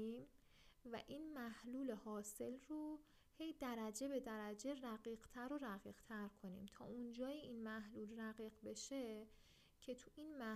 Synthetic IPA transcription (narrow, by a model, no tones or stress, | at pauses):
iːm | væ̰ʔiːnmæhluːle̞hɒːse̞lro | he̞jd̪æɾæd͡ʒe̞be̞d̪æɾæd͡ʒe̞ræɣiːɢt̪ʰæɾoɾæɣiːɣ̥t̪ʰæɾkʰo̞nḭːmt̪ʰɒ̰ːund͡ʒɒːjeinmæhluːlræɣiːɢbe̞ʃe̞ | cʰe̞t̪ʰuʔiːnmæ